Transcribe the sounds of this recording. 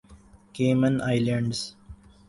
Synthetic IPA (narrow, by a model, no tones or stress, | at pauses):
keːmə̃nʔaɪlə̃ɳɖs